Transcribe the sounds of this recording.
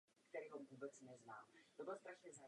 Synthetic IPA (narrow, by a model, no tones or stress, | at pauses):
kt̪ɛɾiːɦomvuːbɛt͡snɛznaːmt̪obɪlst̪ɾaʃɲɛza